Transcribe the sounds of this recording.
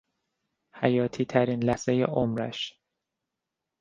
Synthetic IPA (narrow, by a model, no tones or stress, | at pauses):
hæjɒːt̪ʰiːt̪ʰæɾiːnlæsejḛʔomɾæ̰ʃ